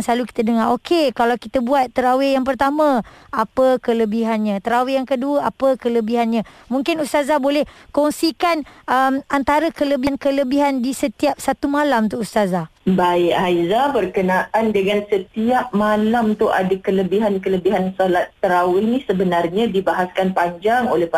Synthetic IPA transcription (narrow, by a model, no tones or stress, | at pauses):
ŋsəlaluki̥t̪adəŋarokʰekalawkit̪abuat̪ːəɾawɪhjaŋp̬ərt̪amãapəkələbiɦanɲãt̪əɾawɪjaŋkəduəapəkələbiɦanɲã | mũŋkɪnust̪azabolɛhkɔŋsikanəmant̪aɾəkələbinkələbiɦandisət̪iap̚sat̪umalamt̪uust̪azabaɪʔɦajzabərkənãʔandəŋansət̪iap̚malamt̪ʊʔadakələbiɦankələbiɦansolat̪ːəɾawɪhnĩsəbənarɲãdibaɦaskanpaɲd͡ʒaŋolɛh